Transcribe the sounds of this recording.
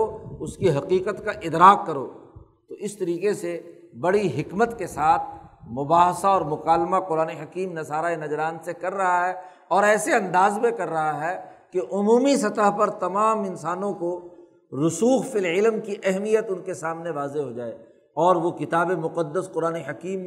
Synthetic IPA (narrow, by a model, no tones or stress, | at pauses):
oʊskiɦɐqiːqət̪kaʔɪd̪ɾaːqːɐɾo̰ː | t̪oɪst̪ɐɾiːqese | bɐɽiɦɪkmət̪kesaːt̪ʰmʊbaːɦsaɔːɾmʊqaːlmaqʊɾaːneɦɐkiːmnɐsaːɾaenɐd͡ʒɾaːnsekɐɾːɐɦaɦɛ | ɔːɾɛːseɐ̃nd̪aːzmẽkɐɾːɐɦaɦɛkeʔʊmuːmisɐt̪əɦpɐɾt̪ɐmaːmɪnsaːnõko | ɾʊsuːxfɪlɪlmkiʔɛɦmijət̪ʊnkesaːmneʋaːzeɦod͡ʒaːeː | ɔːɾʋokɪt̪aːbemʊqəd̪ːəsqʊɾaːneɦɐkiːm